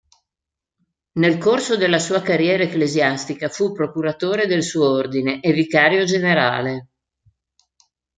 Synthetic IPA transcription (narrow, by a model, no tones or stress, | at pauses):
nelkorsod̪elːasuːakarjɛːɾaeklezjast̪ikafupːɾokuɾat̪oːɾed̪elsuːoord̪ineʔevikaːɾjod͡ʒeneɾa̰ːle